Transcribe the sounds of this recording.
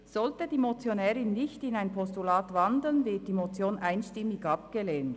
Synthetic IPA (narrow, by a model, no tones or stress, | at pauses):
z̥ɔltədiːmot͡sjonɛːɾɪnːɪçtɪnaɪnpʰɔstulaːtvɑndl̩ənvɪɐt̚d̥iːmot͡sjoːnʔaɪnʃtɪmːɪɡɑp̚ɡ̥əleːnt